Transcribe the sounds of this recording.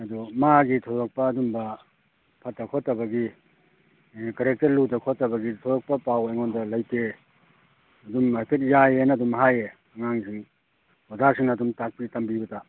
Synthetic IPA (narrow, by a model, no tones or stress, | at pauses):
ɐdumaɡitʰodɔk̚pɐːdumbɐ | pʰɐt̚ːɐkʰotːɐbɐɡi | kɐɾek̚tɐɾludɐkʰotːɐbɐɡitʰɔjɔk̚pɐpawajŋɔndɐlajke | ɐdumapʰet̚jajenɐdumɦaje | ɐŋaŋsʰiŋ | hozasʰiŋnadumtak̚pitɐmbibɐta